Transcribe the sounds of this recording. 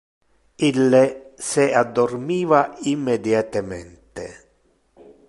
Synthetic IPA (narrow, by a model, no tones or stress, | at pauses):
ilːesead̪ːormiːvaimːed̪jat̪amɛnt̪e